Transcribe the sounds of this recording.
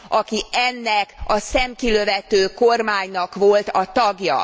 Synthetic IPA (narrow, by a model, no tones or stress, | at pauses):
ʔɒkiɛnːɛkɒsɛmkiløvɛt̪øːkormaːɲnɒkʋo̞lt̪ɒt̪ɒɡjɒ̰